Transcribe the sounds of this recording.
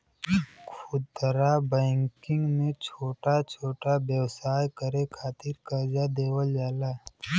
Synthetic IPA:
kʰʊt̪əɾabɛ̃ːŋkɪ̃ŋɡmẽt͡ʃʰoːʈat͡ʃʰoːʈabjəwsaːjkəɾekʰaːt̪ɪɾkɐɾd͡ʒad̪eːwəld͡ʒaːlaː

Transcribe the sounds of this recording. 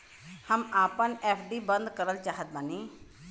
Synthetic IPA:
həmaːpənɛːpʰɖiːbənd̪kəɾəlt͡ʃaːɦət̪̚baniː

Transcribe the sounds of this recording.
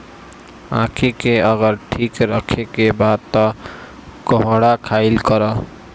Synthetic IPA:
ã̰kʰikeəɡəɾʈʰikɾəkʰekebad̪̚t̪ɔ | kɔɦɽakʰaɪlkəɾə

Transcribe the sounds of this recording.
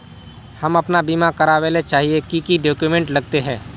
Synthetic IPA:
hɐmɐpnabiːmakɐɾaʋeːlet͡ʃaːɦiekikiɖoːkjumẽːɳʈlɐɡ̚t̪eɦɛ̃ː

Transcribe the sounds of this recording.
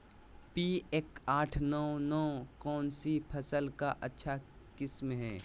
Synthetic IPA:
piːekaːʈʰnɔːnɔːkɔːnsipʰɐsəlkaʔɐtːʃʰa | kɪsmɦɛ̰ː

